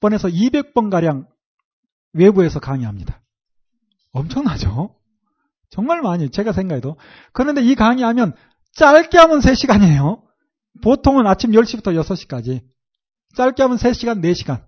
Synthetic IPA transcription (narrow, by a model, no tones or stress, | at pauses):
p͈ʌne̞sʰʌibe̞k̚p͈ʌnɡaɾjaŋ | we̞bue̞sʰʌkaŋiɦamɲid̥ḁ | ʌmt͡ɕʰʌŋnɦad͡ʑo | t͡ɕʌŋmaɭmaɲit͡ɕe̞ɡasʰe̞ŋɡaɦedo | kɯnɯnde̞ikaŋiɦamjʌn | t͡ɕ͈aɭk͈iɦamɯnsʰe̞ɕʰiɡaɲiejo | potʰoŋɯnat͡ɕʰimjʌɭɕ͈ibutʰʌjʌsʰʌɕ͈ʰi̥k͈ad͡ʑi | t͡ɕ͈aɭk͈iɦamɯnsʰe̞ɕʰiɡanːe̞ɕʰiɡan